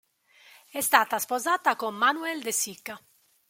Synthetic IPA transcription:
ɛst̪aːt̪aspozaːt̪akomːanuɛld̪esikːa

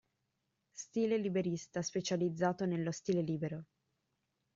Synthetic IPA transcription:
st̪iːlelibeɾist̪aspet͡ʃalid̪zːaːt̪onelːost̪iːleliːbeɾo

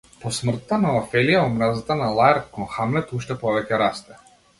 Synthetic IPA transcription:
pɔsmr̩t̪ːanaafɛlijaɔmɾazat̪analˠaɛɾkɔnxamlɛt̪uʃt̪ɛpɔvɛcɛɾast̪ɛ

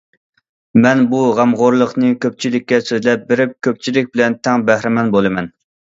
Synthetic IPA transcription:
mɛnbuʁæmʁoɾlˠəqnɨkʲʰøp̚t͡ʃʰilɪkʲːɛsøzlɛp̚bɪɾɪp̚kʲʰøp̚t͡ʃʰilɪk̚ʲbɪlɛnt̪ʰɛŋbæhɾɪmɛnbolˠɨmɛn

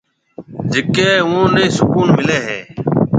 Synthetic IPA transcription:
d͡ʒɪkeːʋũːneːsʊkuːnmɪleːɦḛː

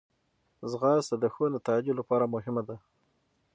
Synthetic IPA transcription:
zɣɑsad̪əxonat̪ɑd͡ʒolapɑɾamʊɦɪmad̪a

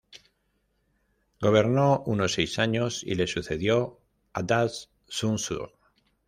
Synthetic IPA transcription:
ɡo̞β̞e̞ɾnouno̞sːejsaɲo̞sḭle̞suθe̞ðjo̞ | ad̪as | sunsṵɾ

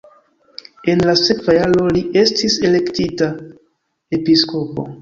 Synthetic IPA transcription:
e̞nlase̞kvajalo̞liʔe̞stise̞le̞ktita | e̞pisko̞po̞̰

